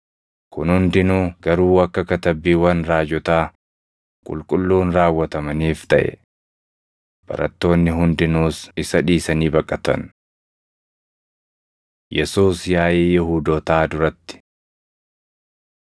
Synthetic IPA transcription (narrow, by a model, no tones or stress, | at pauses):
kʊnhʊnd̪ɪnuːɡ̥ɐɾuːɐkːɐkɐt̪ɐbːiːwɐnɾaːd͡ʒɔt̪aː | kʼʊ̰lkʼʊlːuːnɾaːwːɐt̪ɐmɐniːft̪ɐʔɛ̰ | b̥ɐ̰ɾɐt̪ːo̞ːnːɪɦʊnd̪ɪnuːsɪsɐᶑiːsɐniːbɐkʼːɐt̪ɐ̰n | jɛsuːsjaːʔeːjɪhuːd̪oːt̪aːd̪ʊɾɐt̪ːɪ̥